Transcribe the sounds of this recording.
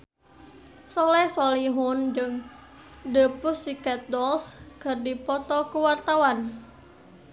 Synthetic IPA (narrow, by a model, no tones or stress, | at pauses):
sɔlɛhsɔliɦʊnd͡ʒɨŋ | dəpʊsikat̪̚dɔlskərdipɔt̪ɔkuwart̪awan